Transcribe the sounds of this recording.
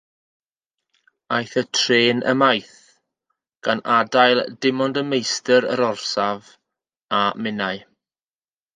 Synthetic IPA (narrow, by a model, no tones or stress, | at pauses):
ajθətʰreːnʔə̰majθ | ɡ̥anadajlˠdɪmɔndəmejstəɾə̰ɾɔrsav | amɪnaɨ